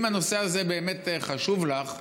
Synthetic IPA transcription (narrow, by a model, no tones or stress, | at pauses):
mhano̞se̞azebeːme̞tχaʃuvlaχ